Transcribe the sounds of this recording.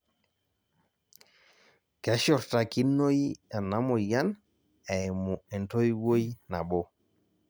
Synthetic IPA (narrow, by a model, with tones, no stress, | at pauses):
kɛ˨˦ʃɔ˨ɾta˨ki˦nːo˦jɛ˨nːa˦mo˨ja˦n | ɛ˨mu˨e˨nto˦jwo˦jna˨bo˦